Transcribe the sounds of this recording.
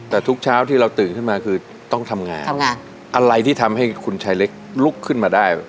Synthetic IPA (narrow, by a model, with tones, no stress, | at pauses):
t̪ɛː˨˩t̪ʰu˦˥k̚t͡ɕʰaː˦˥wt̪ʰiː˥˩ɾa˧wt̪ɯː˨˩nkʰɯ˥˩maː˧kʰɯː˧ | t̪ɔ˥˩ŋt̪ʰa˧mŋa̰ː˧nʰ˧ŋaː˧n | ʔa˧ɾa˧jt̪ʰiː˥˩t̪ʰa˧mɦa˥˩jkʰu˧nt͡ɕʰaː˧˥jle˦˥k̚lu˦˥˩kʰːɯ˥˩nmaː˧daː˥˩j